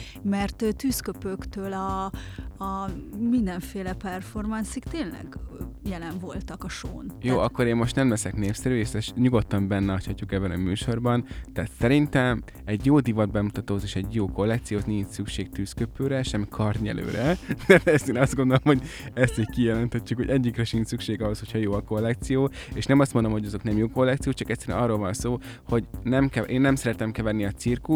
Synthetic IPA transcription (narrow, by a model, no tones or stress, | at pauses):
mɛrt̪øt̪yːskøpøkt̪øːlɒː | mind̪ɛɱfeːlɛpɛrfo̞rmɑnsikt̪eːnlɛ̰ɡjɛlɛɱvo̞lt̪ɒkɒʃoːnjoːʔɒkːo̞ɾeːmmo̞ʃt̪nɛmlɛsɛkneːpsɛɾyeʃɛʃɲuɡo̞t̪ːɒmbɛnːɛɒchɒcːukɛbːɛnɒmyːʃo̞rbɒnt̪ɛːt̪sɛɾint̪ɛm | ɛɟjoːd̪ivɒd̪̚bɛmut̪ɒt̪oːzeːʃɛɟjoːko̞lːɛk̚t̪sijoːt̪niɲt͡ʃsykʃeːk̚t̪yːskøpøːɾɛʃɛmːikʰɒrɲɛ̰lø̰ːɾɛt̪ɛt̪ɛɛst̪eːnɒzd̪ɡo̞nd̪olomho̞ɟɛst̪ickijɛlɛnt̪ʰɛcːukho̞ɟɛɟːikrɛʃint̪sykʃeːɡɒɦo̞sho̞cʰhɒjoːɒko̞lːɛk̚t̪sijoːeʃnɛmɒst̪mo̞nd̪omhoɟɒzo̞knɛmjoːko̞lːɛkt̪sijoːt͡ʃɒkɛc̪sɛɾy̰nɒrːolvɒnsoː | ho̞ɟnɛmkɛʔeːnːɛmsɛɾɛt̪ɛmkɛvɛrniɒt̪sirku